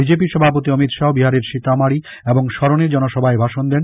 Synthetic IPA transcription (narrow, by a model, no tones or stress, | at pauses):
bid͡ʑepiʃɔbʱapot̪iʌmit̪ʃaɦobiɦaɾeɾʃit̪amaɽi | eboŋʃɔɾoneɾd͡ʑɔnoʃɔbʱaebʱaʃond̪ɛn